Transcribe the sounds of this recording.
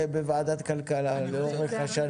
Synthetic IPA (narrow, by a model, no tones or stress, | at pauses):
bevaad̪at̪kalkalaleoʁveχaʃa